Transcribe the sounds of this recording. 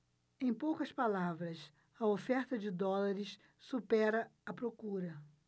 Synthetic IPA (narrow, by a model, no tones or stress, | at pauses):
ẽj̃powkɐspalavɾɐs | ɐofɛɾt̪ɐd͡ʒɪd̪ɔlaɾɪs | supɛɾɐɐpɾokuɾɐ